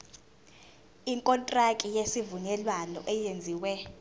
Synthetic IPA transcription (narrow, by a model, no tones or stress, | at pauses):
iŋkʼɔntʼrakʼijesivunɛlwanɔ̰ʔɛjend͡zʱiːwɛ